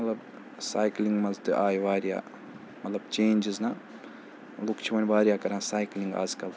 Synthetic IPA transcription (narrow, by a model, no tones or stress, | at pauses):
mɐt̪lɐb | saːjklĩŋɡmɐzt̪ɨʔaːjʋaːɾija̰ː | mɐt̪lɐbt͡ʃeːnd͡ʒiznɐ | lukt͡ʃʰiʋɐnʲʋaːɾijaːkɐɾãːsaːjkliŋɡa̰ːzkɐl